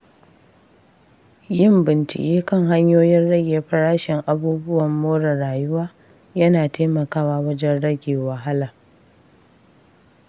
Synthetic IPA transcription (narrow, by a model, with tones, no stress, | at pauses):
jɪ˦mbɪ˨nt͡ʃɪ̰˨kʲʼeː˦kɐ˦ŋɦa˦ɲjoː˦jɪ˦nɽɐ˦ɡʲeː˨ɸɐ˦ɽaː˦ʃɪ˨ŋʔa˨buː˦bʊ˦wɐ˨mːoː˦ɽɐ˨ɽaː˨jʊ˦waː˦ | jɐ˦naː˨teː˦mɐ˨kaː˦waː˨wɐ˦d͡ʒɛ˦nɽɐ˦ɡʲeː˨wɐ˨ɦa˦laː˨